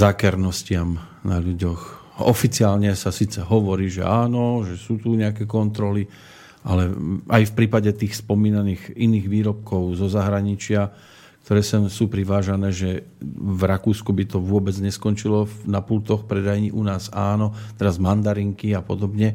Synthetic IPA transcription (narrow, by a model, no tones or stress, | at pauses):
zakɛɾnɔscɪamnaʎuɟɔx | ɔ̰fit͡siaːlɲɛsasit͡sɛɦɔʋɔɾiːʒɛ̰aːnɔʒɛsuːt̪uɲɛakɛkɔnt̪ɾɔli | ʔalɛʔajfpɾiːpaɟɛt̪iːxspɔmiːnaniːɣiniːɣʋiːɾɔp̚kɔʊzɔzaɦɾaɲit͡ʃɪa | k̚t̪ɔɾɛːsɛsuːpɾiʋaːʒanɛːʒɛvɾakuːskubit̪ɔʋʊɔbɛd͡zɲɛskɔnt͡ʃilɔfnapult̪ɔxpɾɛd̪ajɲiʔunaːzaːnɔt̪ɛɾazmand̪aɾiŋkiapɔd̪ɔbɲɛ